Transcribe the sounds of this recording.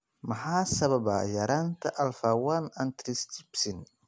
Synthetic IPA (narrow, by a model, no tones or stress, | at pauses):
mɐħɑːsɐβɐβɐ̰jɐɾaːnt̪ʰɐʔɐlfaːwanɐnt̪ɾɪst̪ʰɪbsɪn